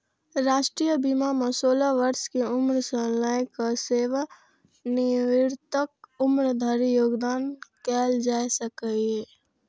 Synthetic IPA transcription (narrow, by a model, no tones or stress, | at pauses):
ɾaːʃʈɾijəbimamɐsoːlaʋəɾskeʊmɾsəlaːjkaseːʋa | nɪʋɪɾt̪ək̚ʊmɾd̪ʱaɾijoːɡd̪aːnkɛːld͡ʒaːisəkaiɦɛː